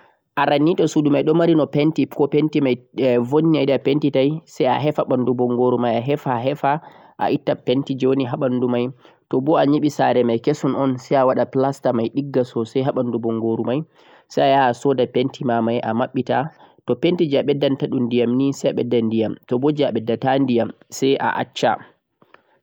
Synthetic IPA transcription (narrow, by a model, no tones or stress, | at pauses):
ʔaɾanːitɔsudumajɗɔmaɾinɔpentikɔpentimajvonːiajdapentitajsɛja̰ɦɛfaɓandubɔŋɡoɾumajaɦɛfaɦɛfa | ʔa̰ʔitːapentid͡ʒɔwniɦaɓandumaj | tɔbɔaɲiɓisaɾɛmajkesunɔnsajawaɗaplastamajɗiɡːasɔsɛjɦaɓandubɔŋɡoɾumaj | sajajaːsɔdapentimamajʔa̰maɓːita | tɔpentid͡ʒiaɓɛdːantaɗundijamnisajaɓɛdːandijamtɔbod͡ʒiaɓɛdːatandijam | sɛjʔa̰ʔa̰t͡ʃːa̰